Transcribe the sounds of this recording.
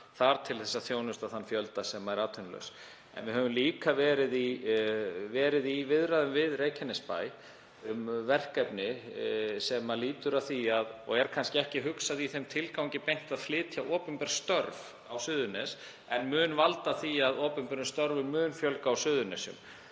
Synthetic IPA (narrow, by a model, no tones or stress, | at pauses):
θaɾ̥t̪ʰɪlθɛsːaθjownʏst̪aðθanfjœlt̪asɛmaɛɾaːt̪ʰʏnlœ̰ɥs | ɛ̰nvɪɦœvʏmliːkavɛːɾɪði | vɛːɾɪðivɪðɾaðʏmvɪðreːjcʰanɛspa̰ːj | ʏmvɛr̥kɛpnɪ | sɛmaliːt̪ʏɾaθiaðɔ̰ɣɛɾ̥kʰanscɪɛhcɪɦʏksaðiθejmt̪ʰɪlkawɲcɪpejŋ̥t̪aðflɪːt̪ʰjaʔɔːpʏmpɛɾ̥st̪œɾv | awsʏːðʏnɛs | ɛnmʏːnvalt̪aθiaðɔːpʏmpɛɾʏnst̪œɾvʏmʏːnfjœlkaːwsʏːðʏnɛsʏ̰m